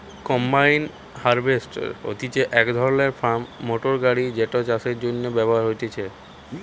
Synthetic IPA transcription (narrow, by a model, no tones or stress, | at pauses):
kɔmbajn | haɾbʱesʈo̰t̪it͡ɕeʔɛkd̪ʱɔɾoneɾfʰamːoʈoɾɡaɽid͡ʑeʈot͡ɕaseɾd͡ʑonːebɛboɦaɾɦojt̪et͡ɕʰe